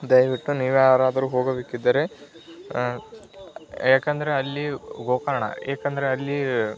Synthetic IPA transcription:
d̪ɐjʋiʈːuniːʋjaːɾaːd̪ɐɾuːɦoːɡɐbeːkid̪ːɐɾe̞ | jaːkend̪ɐɾe̞ɐlːiɡoːkaɾɐɳɐ̰eːkend̪ɐɾeɐlːi

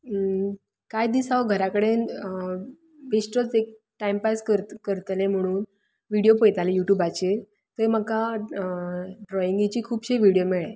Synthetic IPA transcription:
kajd̪isaʋɡʱəɾakəɽen | besʈət͡sek̚ | ʈajmpaskəɾkəɾt̪lem̤əɽ̃uːn | ʋiɽijopəjt̪alejuʈjuːbat͡ɕe | t̪əm̤aka | ɖɾɔjiŋɡit͡ɕiːkʰuːbɕeʋiɽijomeɭe

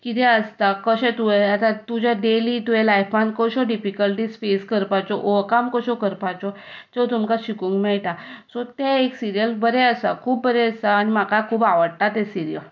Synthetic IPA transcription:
kit̪ɛəst̪akəɕɛ̃t̪uɛət̪at̪ud͡ʑaɖelit̪uelajfban̚kɔɕɔɖifikəlʈisfeskəɾpat͡sɔʔokamkɔɕɔkəɾpat͡sɔ | tet̪umkaɕikũŋkmɛɭʈ̪asɔt̪eeksiɾijəlbəɾɛəsa̰kʰuːbbəɾɛəsaːnimakakʰuːbaʋəɽʈ̪at̪ɛ̃siɾijə

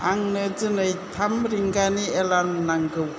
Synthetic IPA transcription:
aŋnɯzɯnɯjtʰamɾiŋɡanielaɾmnaŋɡɯw

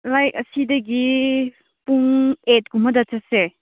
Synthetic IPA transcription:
lajkɐsidɐɡi | puŋet̚ɡumɐdɐtɐse

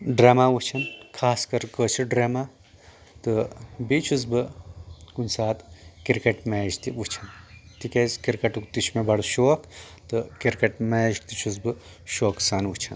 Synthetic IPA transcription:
ɖɾaːmaːwut͡ʃʰɐnkʰaːskɐɾkəːt͡ʃʰɨɖɾeːmaː | t̪ɨbit͡ʃʰuzbɨkunʲsaːt̪kiɾkɐʈmeːd͡ʒt̪iʋut͡ʃʰɐnt̪ikezkiɾkɐʈukt̪it͡ʃʰmebɐɽʃoːk | t̪ɨkiɾkɐʈmeːʒk̚t̪it͡ʃʰuzbɨ | ʃoːksaːnʋut͡ʃʰɐn

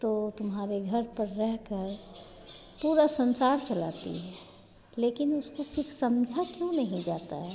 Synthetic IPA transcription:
t̪ot̪ʊmɦaːɾeɡʱɐɾpəɾːɛɦkəɾ | puːɾasɐ̃nsaːɾt͡ʃɐla̰ːt̪ḭɦɛː | leːkɪnʊskopʰɪɾsɐmd͡ʒʱakjõnɐɦĩd͡ʒaːt̪a̰ɦɛ

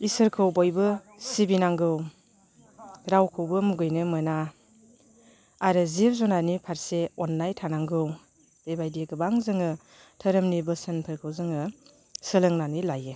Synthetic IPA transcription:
isɯɾkʰɯwbɔjbɯ | sibinaŋɡɯw | ɾawkʰɯwbɯmuɡɯjnɯmɯna | aɾɯzibzɔnanipʰaɾseɔnːajtʰanaŋɡɯw | bebajdeɡɯbaŋzɯŋɯ | tʰəɾɯmnibɯsɯnpʰɯɾkʰɯwzɯŋɯ | sɯlɯŋnanilajɯ

